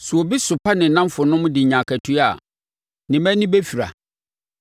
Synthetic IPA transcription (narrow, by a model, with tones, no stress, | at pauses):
su˨o˨bi˦sʊ˨pʰa˦nɪ̃˨˦nã˦m˦fʊ˨nʊ̃˦m̃˦dɪ˨ɲã˨kʰæ˨tʰu˦a˨ | nɪ̃˨mæ̃˦nɪ̃˦be˦fi˨ɾa̰˨